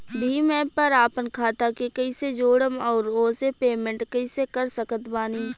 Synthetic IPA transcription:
bʱiːmɛ̃ːpəɾaːpənkʰaːt̪akekɐised͡ʒoːɽəmɔːɾoːsepeːmẽɳʈkɐisekəɾsəkət̪baːniː

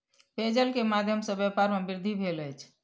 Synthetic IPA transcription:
ped͡ʒəlkemad̪ʱjəmsə̃bjɛpaɾmebiɾd̪ʱibʱeləjt͡ʃʰ

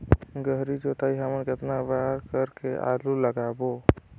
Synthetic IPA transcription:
ɡəɦɾid͡ʒot̪aiɦəmənket̪nabaɾkəɾkeʔa̰luləɡabo

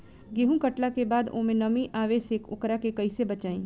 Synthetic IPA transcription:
ɡeːɦũkɐʈlakebaːd̪õ̰ːmẽnɐmĩʔaːʋeːsekʊ̰kɾakekɐisebɐt͡ʃaːḭ̃ː

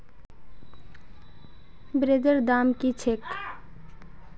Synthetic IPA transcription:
bɾed̪əɾd̪amkit͡ʃʰek

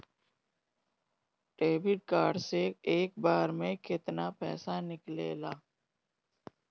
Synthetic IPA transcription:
ʈeːbɪʈ̚kaːɖseeːk̚baːɾmẽkɪt̪napɛ̰ːsanɪklḛːlaː

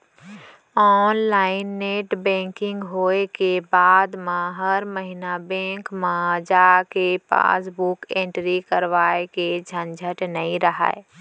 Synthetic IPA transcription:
ɔːnlaːɪnːeːʈbɛ̃ːŋkɪ̃ŋɡɦoːekebaːd̪mãɦəɾməɦinabɛ̃ːŋkmãd͡ʒaːkepa̰ːsbʊkẽːɳʈɾikəɾʋaːeked͡ʒʱənd͡ʒʱəʈnəĩɾəɦa̰ːe

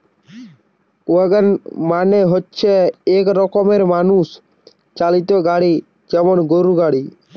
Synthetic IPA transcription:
uəɡənmaːneɦotːt͡ʃʰeeːkɾɔkɔmeɾmaːnus | t͡ʃalit̪oɡaɽi | d͡ʒɛmonɡoɾuɡaːɽiː

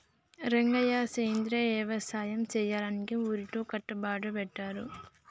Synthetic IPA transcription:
ɾeŋɡɐjaːseːnd̪ɾeɛːʋɐsaːjɐmt͡ʃɛːjaːlɐnikiuːɾit̪oːkɐʈːɐbaːʈɐpɛʈːaːɾu

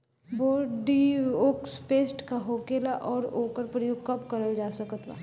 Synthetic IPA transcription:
boːɾɖioːkspeːsʈkaɦoːkeːlaʔɔːɾoːkəɾpɾəjʊɡ̚kɐpkɐɾəld͡ʒaːsɐkət̪ʋa̰ː

